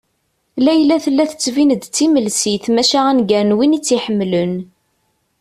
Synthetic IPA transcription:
læjlæθəlːæθə̥t͡sːvinəd̪t͡sːiməlsiθmæʃaʁænɡæɾnwinit͡sːiħəmːlən

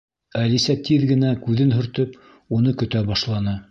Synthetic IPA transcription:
ælisæt̪iðɡɘ̆nækʉðɘnɦɵ̆ɾt̪ɵp | unɤkɵ̆t̪æbɑʃlˠɑnɤ

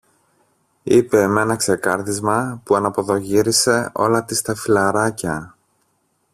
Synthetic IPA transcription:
ipe̞me̞nɐkse̞kɐɾðizmɐpuɐnɐpo̞ðo̞ʝiɾise̞o̞̰lɐt̪ist̪ɐfilɐɾɐcɐ

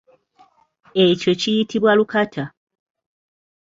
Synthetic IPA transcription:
e̞co̞cijitiβwalukatʰa

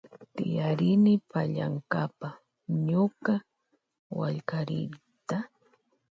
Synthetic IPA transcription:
t̪ɪjaɾɪnɪpaʎaŋkapa | ɲʊka | wa̰ʎkaɾɪɾ | t̪a

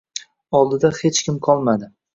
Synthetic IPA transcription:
ɒlˠd̪ɪd̪ahet͡ʃkʲʰɪmqʰɒlˠmad̪ɪ

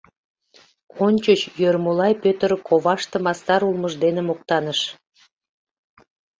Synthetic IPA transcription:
onʲt͡ɕət͡ɕjørmulɑjpøt̪əɾkʰoβɑʃt̪ə̆mɑst̪ɑɾulˠməʒd̪enemok̚t̪ɑnəʃ

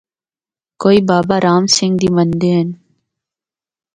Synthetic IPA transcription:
koːiːbaːbaɾaːmsɪ̃ŋɡd̪imɐnd̪en

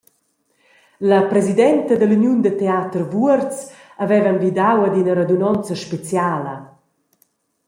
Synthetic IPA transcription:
lɐpɾɛzid̪ɛnt̪əd̪əlynjund̪ət̪eaːt̪ərvuərt͡s | avɛvanvid̪awad̪inɐɾad̪unɔnt͡səʃpet͡sjaːlɐ̰

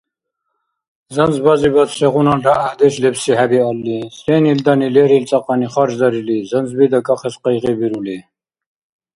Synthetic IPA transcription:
zənd͡zbɑzibat̪sɛʁunɑnraːhd̪ɛslɛbsiɦæbiɑlːisɛnild̪ɑnilɛɾilt͡sʼɑqɑniχɑɾd͡ʒd̪aɾilizənd͡zbid̪akʼɑχɛsqɛjʁibiɾuli

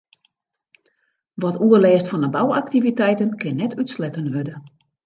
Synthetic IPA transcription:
ʋɔtuəlɛːstfɔnəbawaktivitɛjtənkɪnːɛtʰytslɛtənɦødə

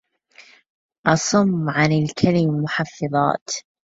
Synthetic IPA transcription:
ʔɑsˤʊmːʕanɪlkʰalɪmːʊħɑfːɨðˤɑ̰ːt̪

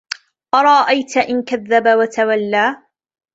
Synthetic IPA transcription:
ʔɑɾˤɑʔajt̪aʔɪnkaðːabawat̪awalːaː

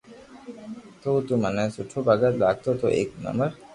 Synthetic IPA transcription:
t̪ot̪umanasuʈʰːobaɡat̪laɡ̚t̪ot̪oʔḛkna̰məɾ

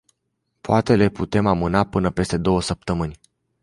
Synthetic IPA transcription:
poat̪e̞le̞put̪e̞mamɨnapɨnəpe̞st̪e̞d̪o̞wəsəp̚t̪əmɨnʲ

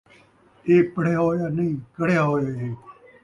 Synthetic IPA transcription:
eːpəɽejaːɦoːjaːnĩːkəɽejaːɦoːjaːẽː

